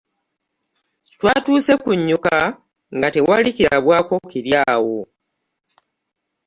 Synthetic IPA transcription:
twaːtuːse̞kuɲːuka | ŋɡate̞walikiɾaβwaːko̞kiɾjaːwo

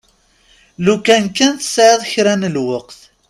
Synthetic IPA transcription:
lukænkːænθə̥sʕɪðˤçɾænəlwəqθ

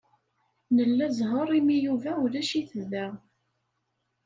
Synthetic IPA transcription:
nəlːæzɦəɾˤimijuvæulæʃiθəðæ

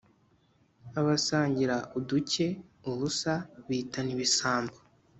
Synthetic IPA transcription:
aβasaːɲɟiɾaʔuduce̞uβusaβiːtaniβisaːmbo̥

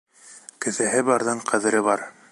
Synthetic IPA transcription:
kɘ̆θæɦɘbɑɾðɑɴqʰɑ̆ðɘ̆ɾɘβɑɾ

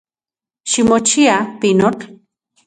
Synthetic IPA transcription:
ʃimot͡ʃʰiapinoʈ

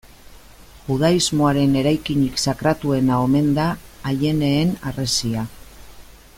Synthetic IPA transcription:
xuð̞aizmo̞aɾe̞ne̞ɾajkiɲiksakɾat̪ue̞nao̞me̞nd̪aːʎe̞ne̞ːnare̞sia

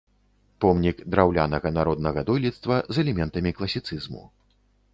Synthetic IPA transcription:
pɔmnʲikd̪ɾawlʲanɐɣɐnaɾɔd̪nɐɣɐd̪ɔjlʲit̪st̪vɐzɛlʲɛmʲɛnt̪ɐmʲiklˠɐsʲit̪sɨzmṵ

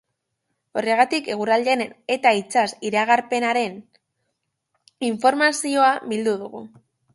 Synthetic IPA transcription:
o̞re̞ɣ̞at̪ike̞ɣ̞uɾald̪enene̞t̪ait͡sasiɾaɣaɾpe̞naɾe̞n | iɱfo̞ɾmasio̞aβild̪uðuɣ̞ṵ

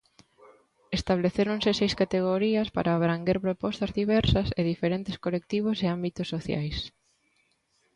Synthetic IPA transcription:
est̪aβleθeɾonsɪsejskat̪eɣ̞oɾiɐspa̰ɾaːβɾaŋɡeɾpɾopɔst̪ɐzðiβɛɾsɐseðifeɾẽnt̪ɪskolek̚t̪iβ̞oseambit̪osːoθja̰js

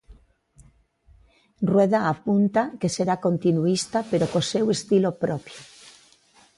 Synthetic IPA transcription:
rweðaːpunt̪akeseɾakont̪inuist̪apeɾokosewest̪ilopɾopjo

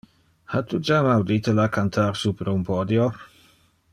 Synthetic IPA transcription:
hatʰud͡ʒamawditʰəlakʰantʰarsupʰrʊmpʰɔdjɔ

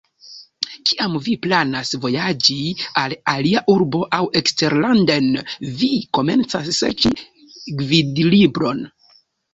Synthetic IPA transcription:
kiamviplanasvo̞jad͡ʒialaliaʔuɾbo̞ʔawʔe̞kste̞ɾlandenviko̞me̞nt͡sasːḛt͡ʃi | ɡvidlibɾo̞n

